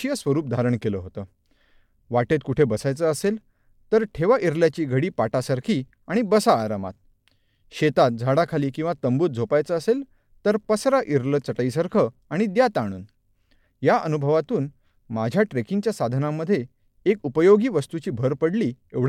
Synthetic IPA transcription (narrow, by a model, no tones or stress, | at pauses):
jəsʋəɾuːp̚d̪ʱaɾəɳkeləɦot̪əː | ʋaʈet̪̚kuʈʰebəsajt͡səːsel | t̪əɾʈʰeʋaʔiɾljat͡ɕiːɡʱəɽiːpaʈasaɾkʰiː | aɽ̃ibəsaːɾama̰t̪̚ | ɕet̪at̪̚d͡zʱaɽakʰaliːkĩw̃ʋat̪əmbuːt̪̚d͡zʱopajt͡səːsel | t̪əɾpəsɾaʔiɾlət͡səʈəisaɾkʰəaɽ̃id̪jat̪aɽ̃ṵːn | jaʔənubʱəʋat̪uːn | mad͡ʑʱjaʈɾekiŋt͡ɕjasad̪ʱnamːəd̪ʱːje | ekupəjoɡiːʋəst̪ut͡ɕiːbʱəɾpəɽliː | eʋɽ